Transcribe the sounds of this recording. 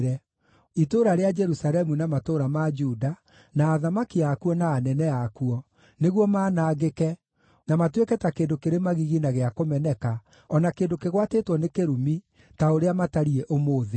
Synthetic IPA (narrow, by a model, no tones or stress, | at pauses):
ɾɛ | itoɾaɾead͡ʒɛɾusaɾɛmunamatoɾamad͡ʒuda | naːðamakiakuɔnaːnɛnɛakuɔ | neɣwɔmaːnaːɣekɛ | namatwekɛtakeːndokeɾemaɣiɣinaɣeakomɛnɛka | ɔnakeːndokeɣwatetwɔnekeɾumi | taoɾeamataɾiɛʔomoːðe